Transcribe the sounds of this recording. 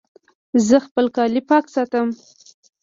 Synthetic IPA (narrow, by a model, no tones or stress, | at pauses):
zəxpəlkɑlipɑksɑt̪əm